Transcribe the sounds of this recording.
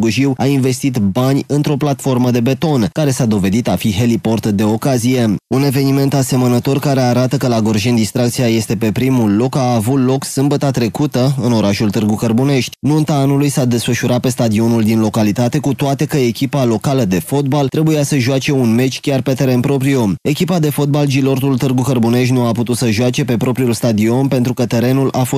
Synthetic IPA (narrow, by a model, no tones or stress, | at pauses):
ɡuʒiwainve̞st̪it̪banʲɨnt̪ɾo̞plat̪fo̞rməd̪e̞be̞t̪o̞nkaɾe̞sad̪o̞ve̞d̪it̪afiɦe̞lipo̞rt̪d̪e̞o̞kazije̞une̞ve̞nime̞nt̪ase̞mənət̪o̞rkaɾe̞aɾat̪əkəlaɡo̞rʒind̪ist̪ɾak̚t̪sijaje̞st̪e̞pe̞pɾimulːo̞kaːvut̪lo̞ksɨmbət̪at̪ɾe̞kut̪əɨno̞ɾaʃult̪ɨrɡukərbune̞ʃt̪ʲnunt̪aanulujsad̪e̞sfəʃuɾʔat̪̚pe̞st̪ad̪io̞nuld̪inlo̞kalit̪at̪e̞kut̪oat̪e̞kəe̞kʲipalo̞kaləd̪e̞fo̞t̪̚balt̪ɾe̞bujasəʒʊat͡ʃe̞unme̞t͡ʃʲkʲarpe̞t̪e̞ɾe̞npɾo̞pɾio̞me̞kʲipad̪e̞fo̞t̪̚bald͡ʒilo̞rt̪ult̪ɨrɡukərbune̞ʃ̬t̪ʲnuaput̪ut̪səʒʊat͡ʃe̞pe̞pɾo̞pɾiulst̪ad̪io̞npe̞nt̪ɾukət̪e̞ɾe̞nulʔafo̞s